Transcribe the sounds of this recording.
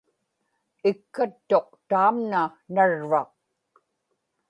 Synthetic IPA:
ɪkːat̪ːo̞q̚t̪aːmnanaɻvɑq̚

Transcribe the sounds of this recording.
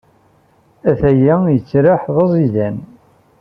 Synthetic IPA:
æθæjæjət͡sːɾaħðˤɑzˤiðæn

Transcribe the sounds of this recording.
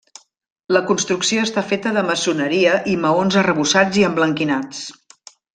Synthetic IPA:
ləkunst̪ɾuksioəst̪afet̪əðəməsunəɾiəʔiməonzərəβusad͡ziəmbləŋkinat͡s

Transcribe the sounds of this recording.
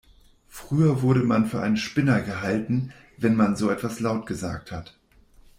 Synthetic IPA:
fʁ̥yːɐvʊɐɾəmanfyːɐʔa̰ɪnənʃpɪnɐɡəɦaltn̩ | vɛnmanzoːɛtv̥aslaʊtɡ̥əza̰ːk̚that

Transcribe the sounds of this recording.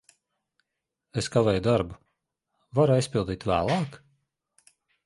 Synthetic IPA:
eskavɛːjud̪aɾbu | vaɾuajspʲilˠd̪iːt̪væ̰ːlˠɑːk

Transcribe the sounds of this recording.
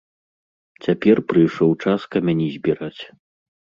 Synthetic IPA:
t͡sʲapʲɛrpɾɨjʂɔwt͡ʂaskɐmʲanʲɛzʲbʲiɾat͡sʲ

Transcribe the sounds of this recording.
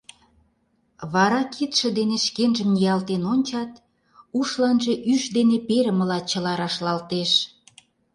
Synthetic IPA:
βɑɾɑkʰit̪ʃĕd̪eneʃkenʒə̆mnijɑlt̪enonʲt͡ɕɑt̪ | uʃlɑnʒe̽ʔyʃd̪enepeɾə̆mə̆lɑt͡ɕə̆lɑɾɑʃlɑlt̪eʃ

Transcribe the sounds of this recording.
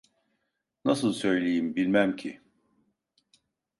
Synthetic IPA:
nasɯlˠsø̞jlʲejimbilʲmæmcʰi

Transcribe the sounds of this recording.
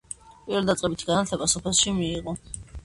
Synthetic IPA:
pʼiɾɛld̪at̪sʼqʼɛbit̪ʰɡanat̪ʰlɛbasɔpʰɛlˠʃimiːʁɔ

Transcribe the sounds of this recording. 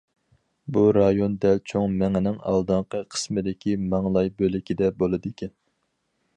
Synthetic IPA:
buɾɑjond̪ɛlt͡ʃʰoŋmɛŋɪnɪŋɑ̰lˠd̪ɨɴqʰəqʰə̥smɨd̪ɪkʲʰimɑŋlˠɑjbølɪkʲid̪ɛbolˠɨd̪ekʲʰɛn

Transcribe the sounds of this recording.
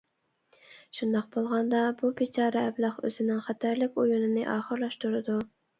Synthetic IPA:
ʃund̪ɑq̚bolˠʁɑnd̪ɑbubet͡ʃʰɑːɾɛɛblˠɑχø̰zɪnɪŋχæt̪ʰæɾlɪkʲojunɨnɨʔɑːχəɾlˠɑʃt̪uɾɨd̪u

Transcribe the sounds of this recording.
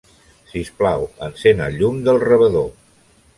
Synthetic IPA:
sisplawənsenəʎumd̪əlˠrəβəðo

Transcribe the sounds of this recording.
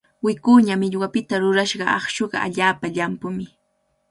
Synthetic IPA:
wɪkuːɲamɪʎwapɪt̪aɾʊɾaʃɢɑʔɑχʃoɢɑ̰ʔa̰ʎaːpaʎampʊmɪ

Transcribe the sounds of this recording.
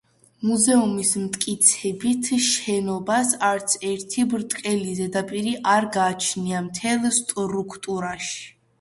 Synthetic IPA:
muzɛumismt̪ʼkʼit̪sʰɛbit̪ʰʃɛnɔbasaɾt̪sʰɛɾt̪ʰibɾt̪ʼkʼɛlizɛd̪apʼiɾiʔaɾɡaːt͡ʃʰniamt̪ʰɛlˠst̪ʼɾukʰt̪ʼuɾaʃi̥

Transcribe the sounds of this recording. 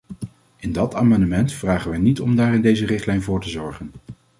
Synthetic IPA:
ɪndɑtaːmɑndəmɛntfraːχənʋɛjnitɔmdaːrɪndejzərɪχtlɛjnvʊːɹtəzɔɹχən

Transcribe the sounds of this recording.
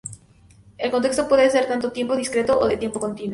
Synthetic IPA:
e̞lkont̪est̪opweðeseɾt̪ant̪ot̪je̞mpo̞ðiskɾet̪oʔoðet̪jempo̞ko̞nt̪inwo

